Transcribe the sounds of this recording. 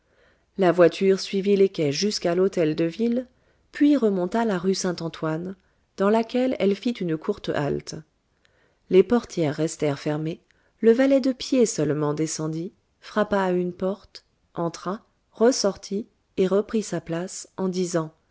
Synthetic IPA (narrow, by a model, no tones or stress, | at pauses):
lavwat̪ʰyʁsɥivilekʲɛʒyskalot̪ɛld̪əvil | pɥiʁəmɔ̃t̪alaʁysɛ̃t̪ɑ̃t̪wan | d̪ɑ̃lakʲɛlɛ̰lfit̪ynkuʁt̪a̰lt̪ | lepɔʁt̪jɛʁːɛst̪ɛʁfɛʁme | ləvalɛd̪əpjesœlmɑ̃d̪esɑ̃d̪i | fχapaːynpɔʁt̪ | ɑ̃t̪χa | ʁəsɔʁt̪ʰi | eʁəpχisaplasɑ̃d̪izɑ̃